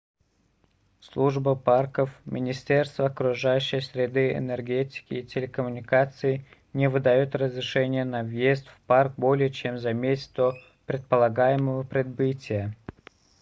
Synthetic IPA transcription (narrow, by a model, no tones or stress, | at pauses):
slˠuʐbəparkəfmʲɪnʲɪsʲtʲe̞rst̪vəɐkɾʊʐajʉɕːɪjsʲɾʲɪd̪ɨɪ̰nərɡʲetʲɪ̥kʲɪːtʲɪlʲɪkəmʊnʲɪkat̪sɨɪ | nʲɪvɨd̪ɐjot̪rəzɾʲɪʂɛnʲɪjənɐvjesʲt̪fpark̚bo̞lʲɪjət͡ɕemzɐmʲetʲɪ̥t̪o | pɾʲɪt̪̚pəlˠɐɡajɪməvəpɾʲɪd̪̚bɨtʲɪjə